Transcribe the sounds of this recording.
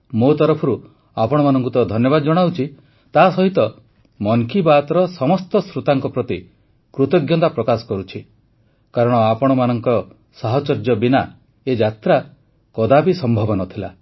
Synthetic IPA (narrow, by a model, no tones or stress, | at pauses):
mot̪ɔɾɔpʰɔɾu | apɔɽ̃ɔmanɔŋkut̪ɔd̪ʱɔnjɔbad̪ɔd͡ʒɔɽ̃awt͡ʃʰi | t̪aɦːsɔɦit̪ɔ | mɔŋkibat̪ɔɾɔsɔmɔst̪ɔsɾut̪aŋkɔpɾɔt̪i | kɾut̪ɔɡjɔnt̪apɾɔkasɔ̥kɔɾut͡ʃʰi | kaɾɔɽ̃ɔapɔɽ̃ɔmanɔŋkɔɾɔ | saɦɔt͡ʃɔɾd͡ʒɔbina | ed͡ʒat̪ɾa | kɔd̪abisɔmbʱɔbɔnɔt̪ʰila̰